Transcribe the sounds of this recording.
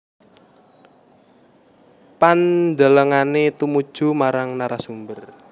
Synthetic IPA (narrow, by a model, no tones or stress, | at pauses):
pand̪aləŋanet̪umud̥ʒ̥ṳmaɾaŋnaɾasumbər